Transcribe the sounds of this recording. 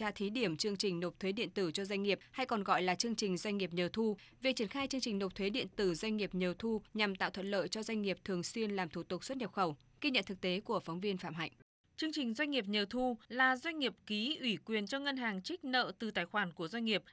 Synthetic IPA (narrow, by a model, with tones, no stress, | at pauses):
aː˧t̪ʰi˨˦ɗi˧˩əmt͡ɕɨ˧əŋt͡ɕï˨˩ŋ̟no˨˩p̚t̪ʰwe˨˦ɗḭ˧˨ənt̪ɨ˧˩t͡ɕɔ˧zwa˧ŋ̟ŋi˨˩əp̚ha˧jkɔ˨˩nɣɔ̰˧˨jlaː˨˩t͡ɕɨ˧əŋt͡ɕï˨˩ŋ̟zwa˧ŋ̟ŋi˨˩əp̚ɲəː˨˩t̪ʰu˧ | vi˨˩k̚t͡ɕi˧˩ənxaː˧jt͡ɕɨ˧əŋt͡ɕï˨˩ŋ̟no˨˩p̚t̪ʰwe˨˦ɗḭ˧˨ənt̪ɨ˧˩zwa˧jŋ̟ŋi˨˩əp̚ɲə˨˩wt̪ʰu˧ɲa˨˩mt̪a̰ː˧˨wt̪ʰə̰˧˨nlə̰ː˧˨jt͡ɕɔ˧zwa˧jŋ̟ŋi˨˩əp̚t̪ʰɨ˨˩əŋswi˧ənlaː˨˩mt̪ʰu˧˩t̪ʊ˨˩k̚swə˦˥t̚ɲi˨˩əp̚xə˧˩w | ɣi˧ɲə̰˧˨nt̪ʰɨ˨˩k̚t̪e˨˦ku˧˩əfɔ˨˦wŋ͡mvi˧ənfa̰ː˧˨mɦa̰˧˨jŋ̟ | t͡ɕɨ˧əŋt͡ɕï˨˩ŋ̟zwa˧ŋ̟ŋi˨˩əp̚ɲə˨˩t̪ʰu˧laː˨˩zwa˧jŋ̟ŋi˨˩əp̚ki˨˦ʔwi˧˩kwi˨˩ənt͡ɕɔ˧ŋə˧nɦaː˨˩ŋt͡ɕï˦˥k̟̚nə̰ː˧˨t̪ɨ˨˩t̪aː˧˩jxwaː˧˩nku˧˩əzwjŋ̟ŋi˨˩əp̚